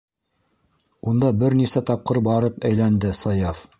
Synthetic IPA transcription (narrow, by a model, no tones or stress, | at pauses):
und̪ɑbɘɾnisæt̪ɑp̚qɤɾbɑɾɤpæjlænd̪ɘsɑjɑf